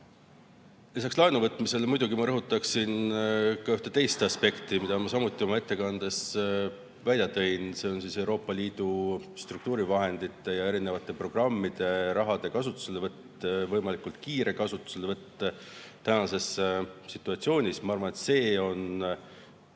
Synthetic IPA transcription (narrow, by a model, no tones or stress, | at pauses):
lisɑkslɑenuvɤt̪ˑmise̞lmujd̪uɡimɑɾɤɦut̪ːˑɑksinkɑyht̪e̞t̪e̞jst̪ɑspe̞kt̪imid̪̥ɑmɑsɑmut̪ˑːio̞mɑe̞t̪ːe̞kɑnd̪e̞s | vælʲjɑt̪e̞jnse̞ːo̞nsise̞wɾo̞ːpːˑɑliːd̪̥ust̪ruk̚t̪uːɾivɑɦe̞nd̪it̪ːˑe̞jɑe̞ɾine̞vɑt̪ˑːe̞pro̞ɡ̥rɑmːid̪̥e̞ɾɑɦɑd̪̥e̞kɑsut̪ːˑu̥se̞levɤt̪ː | vɤjmɑlikult̪̚kiːɾe̞kɑsut̪ːˑu̥selevɤt̪ːe | t̪ænɑse̞ssit̪ːˑuɑt̪sio̞ːnʲismɑɑrvɑne̞t̪se̞ːo̞n